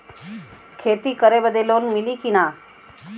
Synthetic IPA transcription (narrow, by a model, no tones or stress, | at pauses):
kʰeːt̪ikəɾebəd̪eloːnmɪlikinaː